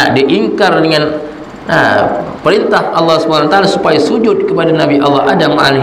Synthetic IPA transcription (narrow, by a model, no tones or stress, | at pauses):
diʔiŋkardəŋan | na̰pəɾint̪ahʔɑlːɑhsubanawat̪alasupajasud͡ʒʊt̪̚kəpadanabiʔɑlːɑɦadama̰ni